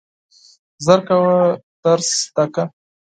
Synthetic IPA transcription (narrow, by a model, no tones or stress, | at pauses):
zaɾkawat̪aɾst̪aka